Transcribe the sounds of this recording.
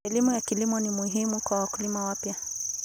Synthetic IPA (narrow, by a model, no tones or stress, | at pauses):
ɛlimujakilimɔnimuɦimukwawakulimawapja